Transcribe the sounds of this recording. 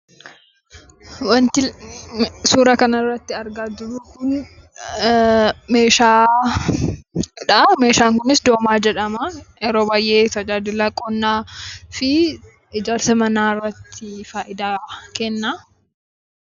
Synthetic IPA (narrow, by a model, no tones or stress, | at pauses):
wɐnt̪ɪ | suːɾɐkɐnɐrːɐt̪ːɪɐɾɡaːd͡ʒɪɾuːkʊn | meːʃaː | ᶑɐme̞ːʃaːŋkʊnɪsd̪o̞ːmaːd͡ʒɛᶑɐmɐɛɾoːbaːjʔe̞ːt̪ɐd͡ʒaːd̪ɪlɐkʼːɔnːaːfɪ | ɪd͡ʒaːɾsɐmɐnaːɪrːɐt̪ʰːɪfaːʔɪd̪aːkɛnːaː